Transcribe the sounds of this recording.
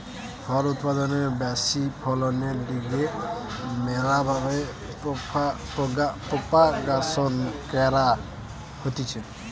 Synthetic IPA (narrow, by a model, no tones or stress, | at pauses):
ɡʱɔɾut̪̚pad̪ɔnebasipʰɔlɔneɾliɡe | meɾabʱabe | pɔpa | pɔɡapɔpakasɔnkɛɾa | hot̪it͡ʃʰɛ